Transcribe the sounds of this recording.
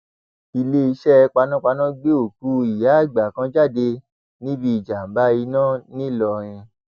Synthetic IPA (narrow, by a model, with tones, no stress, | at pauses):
i˧le˦i˧˦ʃɛ˦˧k͡pa˧nã˦k͡pa˧nã˦ɡ͡be˦o˨ku˨˦i˨ja˨˦˨ɡ͡ba˨kã˧d͡ʒa˦˨de˧ | nĩ˦bi˧˦i˨d͡ʒa˨m̩˨ba˨˦i˧nãː˦˨nĩ˦˨lɔ˧ɾ̃ĩ˧